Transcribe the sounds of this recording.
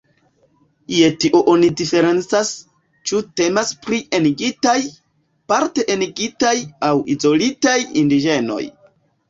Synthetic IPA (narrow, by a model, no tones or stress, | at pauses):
jetiʔoʔonidife̞ɾe̞nt͡sas | t͡ʃute̞maspɾie̞niɡitaj | paɾte̞ʔeniɡitajawḭzo̞litajindid͡ʒe̞no̞̰j